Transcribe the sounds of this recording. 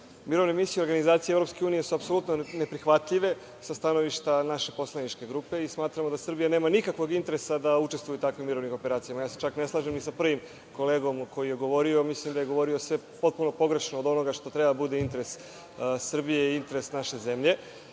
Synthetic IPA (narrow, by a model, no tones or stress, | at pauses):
miɾo̞vnemisijuioɾɡanizaːt̪sijevɾo̞pske̞uːnijesuapso̞lut̪none̞pɾixʋat̪ʎiʋe̞ | sast̪ano̞ʋiʃt̪anaʃe̞po̞slˠanit͡ʃke̞ɡɾuːpe̞ismaːt̪ɾamod̪asr̩bijane̞ːmanikakʋo̞ɡint̪e̞ɾesad̪aut͡ʃe̞st̪vujut̪akʋimːiɾo̞ʋnixo̞pe̞ɾaːt̪sijamajaːset͡ʃakne̞slˠaʒemnisapr̩ʋim | ko̞le̞ːɡo̞mkʰo̞jije̞ɡo̞ʋo̞ɾiomislimd̪aje̞ɡo̞ʋo̞ɾio̞sʋe̞po̞t̪̚puno̞po̞ɡɾe̞ʃnood̪o̞no̞ɡaʃt̪o̞t̪ɾe̞bad̪abud̪eint̪e̞ɾe̞s | sr̩bijeiint̪e̞ɾesnaʃeze̞mʎe̞